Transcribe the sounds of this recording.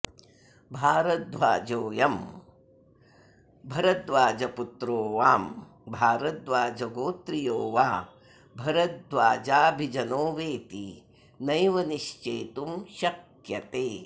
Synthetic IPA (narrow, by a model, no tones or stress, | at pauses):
bʱaːɾɐt̪̚d̪ʋa̰ːd͡ʒoːjɐm | bʱɐɾɐt̪ʋaːd͡ʒɐput̪ɾoːʋaːm | bʱaːɾɐt̪ʋaːd͡ʒɐɡoːt̪ɾijoːʋaː | bʱɐɾɐt̪̚d̪ʋaːd͡ʒaːbʱid͡ʒɐnoːʋeːt̪i | nɐjʋɐniʃt͡ʃeːt̪umʃɐk | jɐt̪eː